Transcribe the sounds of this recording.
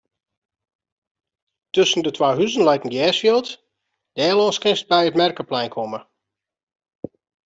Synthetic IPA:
tøsən̩dətʰwaːɦyzənlɛjtən̩ɡjɛːsfjilˠt | d̥ɛːlɔːskɪnst̚bɛjətmɛrkəplɛjnkʰɔmə

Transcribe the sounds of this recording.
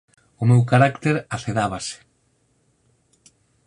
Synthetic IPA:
ʊmewkaɾakt̪eɾaθeðaβase̥

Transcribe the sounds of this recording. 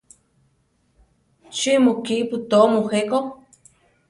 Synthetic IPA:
t͡ʃimokiʔput̪omoxeko

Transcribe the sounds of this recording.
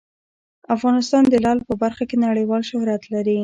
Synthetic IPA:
afɣɑnɪst̪ɑnd̪əlɑlpəbaɾxakenaɽəjwɑlʃʊhɾat̪laɾi

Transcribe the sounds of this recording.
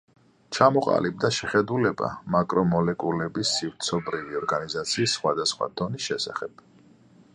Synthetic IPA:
t͡ʃʰamɔqʼa̰lib̚d̪aʃɛχɛd̪ulɛba̰makʼɾɔmɔlɛkʼulɛbisːivɾt̪sʰɔbɾiviɔɾɡanizat̪sʰiːsːχwad̪asχwa̰d̪̥ɔnisʃɛsa̰χɛb̥

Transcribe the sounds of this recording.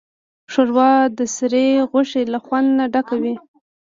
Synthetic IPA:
ʂoɾwɑd̪əsɾeɣʊʂelaxwand̪naɖakawi

